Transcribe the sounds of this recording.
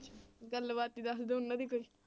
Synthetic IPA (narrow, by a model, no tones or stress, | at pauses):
t͡ʃʰɡɐlːbaːt̪ːid̪asd̪eunːɐd̪ikoːi